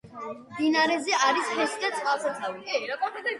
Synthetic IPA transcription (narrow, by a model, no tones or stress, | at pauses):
md̪inaɾɛzɛaɾishɛsid̪at̪sʼqʼalˠsɛt̪ʰavi